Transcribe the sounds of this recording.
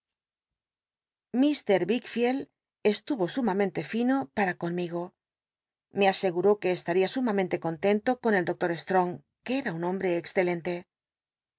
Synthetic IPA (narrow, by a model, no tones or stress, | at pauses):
mist̪e̞ɾβikfjel | est̪uβo̞sumamẽ̞nt̪e̞fino̞paɾako̞nmiɣ̞o̞ | me̞ase̞ɣuɾo̞ke̞ːst̪aɾiasumamẽnt̪eko̞nt̪e̞nt̪o̞ko̞neld̪o̞k̚t̪o̞ɾe̞st̪ɾo̞ŋ | keeɾaunõ̞mbɾe̞ːksθe̞lẽ̞nt̪e̞